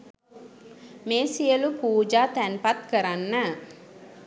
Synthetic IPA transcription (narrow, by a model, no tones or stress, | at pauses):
meːsijəlupuːd͡ʒaːt̪ænpat̪kəɾanːə